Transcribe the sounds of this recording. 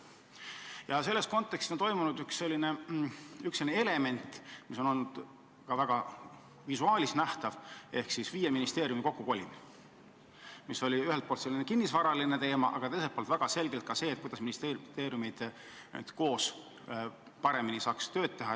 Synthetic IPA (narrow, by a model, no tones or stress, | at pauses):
jɑse̞lːe̞st̪̚ko̞nt̪ːˑe̞kst̪ont̪o̞jmunud̪ykse̞lʲːine̞ | ykselʲinele̞me̞nʲt̪ːˑmiso̞no̞lnud̪̥ | kɑvæɡ̥ɑ | visuɑːlʲisnæht̪ɑve̞hksisviːjeminist̪e̞ːɾʲjumiko̞kːuko̞lʲin | miso̞lʲiyhelt̪̚polt̪se̞lːinekinːisvɑɾɑline̞t̪e̞ːmɑ̰ʔɑ̰ɡ̥ɑt̪e̞js̬et̪poːlt̪væɡ̥ɑse̞lɡ̥elt̪̚kɑse̞ːt̪̚kujd̪ɑsminist̪et̪e̞ːɾjumijd̪̥ | ḛd̪ko̞ːs | pɑɾe̞minisɑːkst̪ø̞ːd̪̚t̪ːe̞ɦɑ